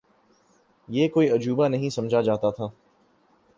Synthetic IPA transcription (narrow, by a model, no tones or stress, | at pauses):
jeːkoːiɐd͡ʒuːbanɐɦĩsɐ̃md͡ʒʱad͡ʒaːt̪at̪ʰaː